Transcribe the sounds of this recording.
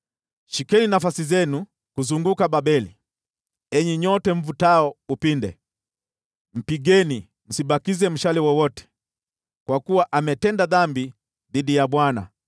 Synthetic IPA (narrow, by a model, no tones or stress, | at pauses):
ʃikɛninafasizɛnu | kuzuŋɡukaɓaɓɛli | ɛɲɛɲɔtɛmɱ̩vutaɔupindɛ̰ | m̩piɡɛni | m̩siɓakizɛm̩ʃalɛwɔwɔtɛ̥ | kwakuwaʔamɛtɛndaðambi | ðiɗijaɓwana̰